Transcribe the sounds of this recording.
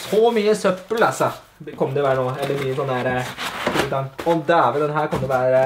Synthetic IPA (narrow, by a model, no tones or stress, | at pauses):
sɔmyːəsœpːəlɑsɑ | kʰɔmːəd̪ɛɪʋæːɾənoːɛlːəɾmyːəsɔnːəhæːɾək̪ulət̪ɑŋɔd̪ɛæɾʋɛld̪ɛnɦæːɾkɑməd̪ɛʋæːɾə